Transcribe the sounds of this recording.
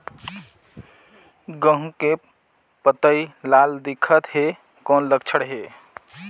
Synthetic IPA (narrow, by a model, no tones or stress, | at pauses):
ɡə̃ɦũke | pət̪əilald̪ɪkʰət̪ɦe | kɔːnləɡ̚t͡ʃʰəɽɦe